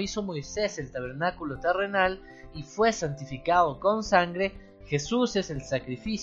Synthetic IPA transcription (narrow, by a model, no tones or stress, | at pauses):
iso̞mo̞jse̞selt̪aβ̞e̞ɾnakulot̪ere̞nal | ifwe̞sant̪ifikaðo̞ko̞nsaŋɡɾe̞ | xe̞suseselsakɾifis